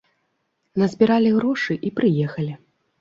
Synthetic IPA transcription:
nɐzʲbʲiɾalʲiɣɾɔʂɨʔipɾɨjɛxɐlʲi

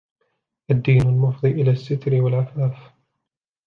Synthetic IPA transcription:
ʔad̪ːiːnalmʊfd̪ˤiːʔɪlaːsːɪt̪ɾɪwalʕafaːf

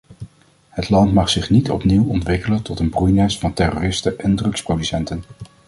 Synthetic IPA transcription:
hətlɑntmɑχsɪχnitɔ̰pniwɔntʋɪkələntɔtənbrujnɛsfɑntɛroːrɪstəʔɛndrɵksprodysɛntən

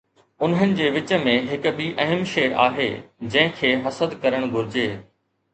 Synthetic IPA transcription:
ʊnɦənɪ̆d͡ʑeːʋɪt͡ɕə̆mẽɦɪkɓiʔɐɦəmʃeːʔa̰ːɦḛːd͡ʑɐ̃ɦɪ̃kʰeːɦɐsəd̪kɐɾəɽ̃ɡʱʊɾɪd͡ʑeː

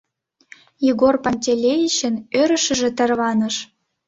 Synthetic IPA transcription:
jiɣorpɑnʲtʲelʲejit͡ɕə̆nøɾə̆ʃə̆ʒĕt̪ə̆rβɑnɤ̆ʃ

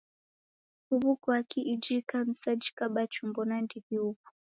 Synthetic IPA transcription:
huβukwakiʔid͡ʒikan̩sad͡ʒikaɓat͡ʃumbɔnandiðiupu̥

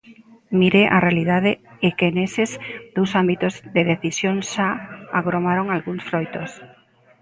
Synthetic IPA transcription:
miɾeʔa̰realiðaðɪekenesezd̪owsambit̪ozðeðeθisjoŋʃaa̰ɣɾomaɾoŋalɣuŋsfɾojt̪os

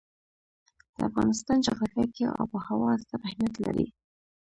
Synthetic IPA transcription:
d̪̥əafɣɑnɪst̪ɑnd͡ʒaɣlakakeʔa̰wpəhawɑzt̪aɾɪhmijat̪la̰ɾi

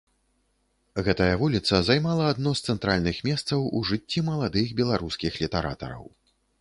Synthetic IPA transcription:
ɣɛt̪ɐjɐvulʲit̪sɐzajmalˠɐːd̪nɔst̪sɛnt̪ɾalʲnɨxmʲɛst̪sɐwuʐɨt͡sʲːimɐlˠad̪ɨxbʲɛlˠaɾuskʲixlʲit̪ɛɾa̰t̪ɐ̰ɾɐ̰w

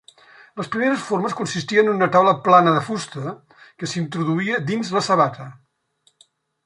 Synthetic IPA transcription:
ləspɾimeɾəsforməskunsist̪iənənunət̪awləplanəðəfust̪ə | kəsint̪ɾuðuiəd̪inzləsəβat̪ə

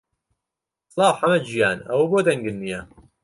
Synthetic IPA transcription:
slɑːwħamɐd͡ʒijaːnɐ̰wɐboːd̪ɐŋɡɨnːija

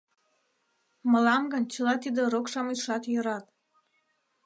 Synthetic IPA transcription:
mə̆lɑmɡɤnʲt͡ɕəlɑt̪id̪ĕɾokʃɑmiʃɑt̪jəɾɑt̪

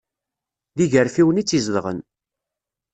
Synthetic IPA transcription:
ðiʝəɾfiwənit͡sːizðʁə̰n

